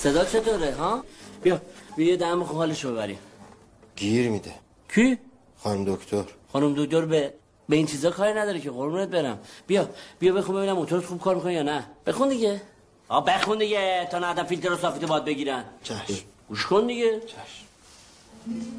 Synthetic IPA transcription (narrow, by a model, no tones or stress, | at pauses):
se̞d̪ɒːt͡ʃʰe̞t̪ʰoːɾeɦɒb̥ijɒbijɔjed̪æmbexunhɒːleʃobe̞βæɾḭ | ɡiɾmid̪e | kʰi | xɒnumd̪okʰt̪ʰoɾxɒnumd̪ok̚d̪oɾbe | beint͡ʃʰiːzɒːkʰɒːɾinæd̪ɒːɾecʰexonɾbunet̪̚beɾæmb̥ijɒb̥ijɒbexunmbe̞binæmot̪ʰoɾet̪xuːb̥̚kʰɒːɾmikʰonijɒːnæb̥exund̪iɟe | hɒːbexund̪iɟet̪ʰɒːnæd̪æmfilt̪ʰeɾosɒːfit̪ebɒd̪̚beɡiːɾænt͡ʃʰæʃɡ̥uʃkʰond̪iɟet͡ʃʰæʃ